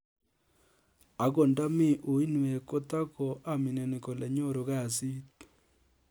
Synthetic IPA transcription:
a˨ko˨nda˦mɪ˦˨ʔo˨i˦nwe˨ko˦ta˦ko˨ʔa˦mi˨nɛ˨ni˨ko˨le˨ɲo˦˨ɾo˨ɣa˦˨si˦t

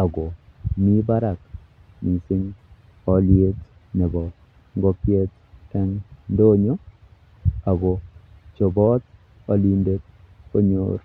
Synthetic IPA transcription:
a˨ɡo˨mi˦ba˦ɾa˨k | mi˨sɪ˦ŋ | ɔ˨lje˦t | nɛ˨bɔ˨ | ŋɡɔ˦kje˦t̚ː | ɛ˦ŋndo˦ɲo˦ | a˨ɡo˨t͡ʃo˨bɔ˦t̪̚ | ɔ˨li˦nde˦t̚ | ko˦ɲo̰ː˦ɾ

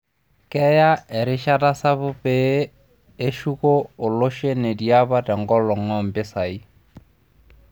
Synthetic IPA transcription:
kɛ˦ja˦ɛ˨ɾɪ˦ʃa˦ta˦sa˦bʊ˦peː˦ | ʃu˦koː˦˨lo˦ʃe˦ne˨dia˦ba˦tɛ˨ŋɡɔ˦lɔ˨ŋɔ˦m̩bɪ˦sa˨i˦

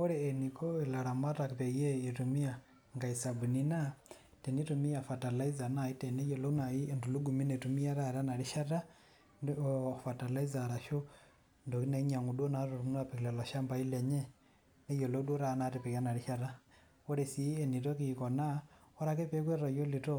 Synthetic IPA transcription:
ɔ˦ɾɛː˨ni˨kɔ˦ila˨ɾa˨ma˦ta˨ki˨pɛ˨jɛ˦i˨tu˨mi˦a˨ | ŋɡa˨i˨sa˨bu˨ni˦na˦ | te˨ni˦tu˨mi˦ja˨fa˨ta˨la˦i˦za˨na˨i˦tɛ˨ne˦jɔ˨lo˦u˦na˨i˦˨ndu˨lu˦ɡu˨mi˦ne˨tu˨mi˦ja˦ɾa˦ɾa˦na˨ɾiʃa˦ta˦ | fa˨ta˨la˦i˦za˨ɾa˨ʃu˦ | ndo˨ki˦na˨i˦ɲa˨ŋu˨do˦na˨ɾu˨ɾu˨mu˦n˦a˦pi˨ki˨lɛ˨la˨ʃa˦mba˦i˦lɛ˨ɲɛ˦ | ne˦jɔ˨lo˦u˦du˦ɾa˨˦na˨te˨pɛ˨ja˦na˨ɾi˦ʃa˦ɾa˦ | o˦ɾe˨si˨˦e˨ni˨tɔ˦kikɔ˨na˦ɔ˦ɾa˦ke˦pɛ˦k̬we˦ɾa˨jo˦li˨tɔ˦

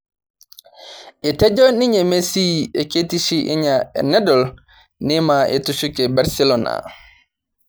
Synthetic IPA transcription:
ʔɛ˨tɛ˦d͡ʒɔ˦ni˦ɲɛ˨me˦si˦ɛ˨ke˦ti˦si˦ʔḭ˦ɲa̰˨nɛ˦dɔ˨l | ni˦ma˨ʔɛ˨tu˦sukɛ˨baɾsɛ˦lɔna̰

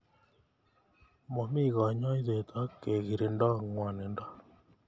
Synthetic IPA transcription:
mɔ˨mi˦ɣɔ˨ɲɔ˦i˦ðe˨t̪ʰa˦ke˨ɣi˨ɾe˨ndɔ˦ŋwa˨ne˨ndɔ˦

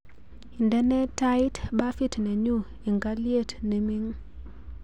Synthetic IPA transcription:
i˨ndɛ˦nɛ˦tːa˦ɪ˦tba˦fi˦tnɛ˨ɲu˦ | i˨ŋɡa˦lje˦˨tne˨mi˦ŋ

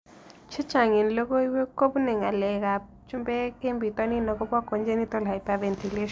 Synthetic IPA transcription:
t͡ʃʰi˦t͡ʃa˨ŋi˨nlo˦ko˦i˦we˦ko˦pnɛ˨ŋa˨lɛ˨ka˨ | t͡ʃu˦mbɛ˦ke˦mbi˨t̪wa˦ni˦nɔ˨ko˦pwa˦ko˨ɲd͡ʒe˦ni˦t̪ɔ˦la˨jpa˨ve˨nt̪i˨le˦ʃ

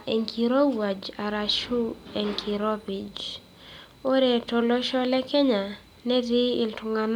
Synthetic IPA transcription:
e˨ŋkʰiɾɔ˦wa˨d͡ʒa˨ɾa˨ʃu˦ɛ˨ŋkʰi˨ɾɔ˦bi˨d͡ʒ | o˦ɾe˨tɔ˨lɔ˦ʃɔ˦lɛ˦kɛ˦ɲa˨ | nɛ˦di˦ɪ˨ltʊ˨ŋan

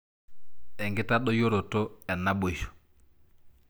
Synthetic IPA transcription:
ɛ˨ŋɡɪ˦ta˦ɗɔ˦jo˦ɾo˨to˦ɛ˨nːa˦bo˨ʃo̥˨

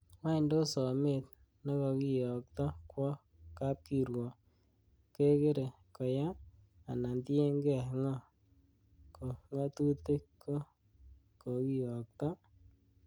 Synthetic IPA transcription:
wa˦˨ndo˦sɔ˨me˦˨t̪̚ | nɔ˦kɔ˨ki˨jɔ˨k̚t̪ɔ˦kwɔ˦ | ka˦p̚ki˨ɾwɔ˨ | ke˦ke˦ɾe˨ | kɔ˨ja˦ | a˨na˨ndi˦e˦ŋɡɛ˨ŋɔ˦ | ko˨ŋa˦t̪u˦te˦kʰːo˦ | ko˨ki˨jɔ˨k̚t̪ɔ˦

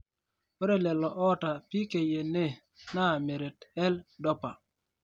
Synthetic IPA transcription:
we˦ɾe˦lɛ˨lɔ˨ʔɔ˦ta˨pi˦ke˨je˨ne˦˨ | na˦˨me˨ɾe˨tɛ˦ldɔ˦pa˨

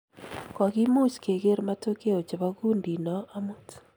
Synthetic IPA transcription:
kɔ˨ɣi˦mu˦ske˨ɣe˦ɾma˦to˦ke˦o˨t͡ʃe˨βa˦ɣu˦ndi˨nɔ˦a˦mu˦t

